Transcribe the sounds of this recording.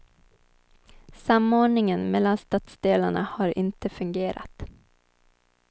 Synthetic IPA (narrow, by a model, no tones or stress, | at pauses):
samoːɳɪŋənmɛlːanst̪ɑt̪sd̪eːlaɳa̰haɾɪnt̪əfɵŋɡeːɾʔa̰t̪